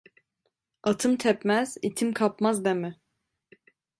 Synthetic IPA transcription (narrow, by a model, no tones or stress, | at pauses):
at̪ʰɯmt̪ʰɛpmæz̥it̪ʰimkʰapmazd̪emɪ